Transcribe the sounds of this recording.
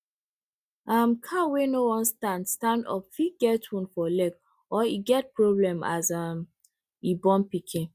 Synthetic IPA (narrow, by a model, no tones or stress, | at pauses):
amkʰawenowɔ̃nstãndstãndɔ̰pfiɡɛtũnfɔlɛk | ɔiɡɛt̚pɹoblɛ̃ma̰zam | ibɔ̃npikʰĩn